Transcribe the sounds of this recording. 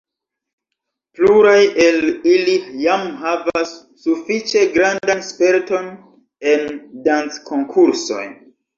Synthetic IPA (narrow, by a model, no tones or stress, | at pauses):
pluɾajelilijamɦavasː | ufit͡ʃe̞ɡɾandanspe̞ɾto̞n | e̞ndant͡skʰo̞ŋkʰuɾso̞̰j